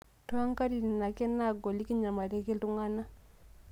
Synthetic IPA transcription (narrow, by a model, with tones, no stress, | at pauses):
to˦a˦ŋka˦ɾi˨ni˨na˨ke˦na˦˨ɡo˨li˦ki˦ɲa˨ma˨te˦ke˦ltu˦ŋɡa˦na˦